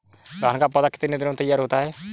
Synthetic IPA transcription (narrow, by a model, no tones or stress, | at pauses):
ɡaːnkaːpɔd̪aːkɪ̥t̪ɪned̪ɪnõːt̪əjaːɾɦoːt̪aɦɛː